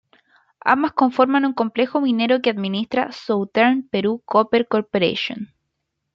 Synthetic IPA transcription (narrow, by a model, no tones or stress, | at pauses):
a̰mbasko̞ɱfo̞ɾmanuŋko̞mple̞xomine̞ɾokeaðminist̪ɾa̰sowt̪eɾnpeɾukopeɾkoɾpoɾḛʃo̰n